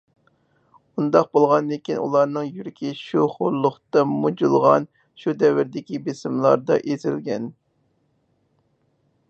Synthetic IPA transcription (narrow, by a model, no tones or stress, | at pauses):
und̪ɑq̚bolˠʁɑnd̪ekʲinʔṵlˠɑɾnɨŋjyɾɪkʲiʃuχʊɾlˠːʊχt̪ɑmud͡ʒulˠʁɑ̰n | ʃud̪ɛvɪɾd̪ɪkʲibesɪmlˠɑɾd̪ɑ̰ʔezɪ̰lɡʲɛn